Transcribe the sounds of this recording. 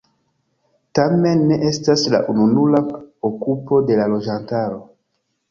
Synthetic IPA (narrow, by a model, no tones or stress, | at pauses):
tame̞nːe̞ʔe̞stasla̰ʔununulaokupo̞de̞lalo̞d͡ʒantaɾo̞